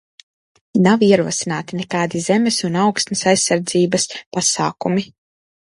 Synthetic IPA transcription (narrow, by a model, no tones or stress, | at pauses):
nawiɛɾuɔsinaːt̪inɛkaːd̪izɛmɛsunawkst̪nɐsajsːaɾd̪ziːbɐspasaːkumi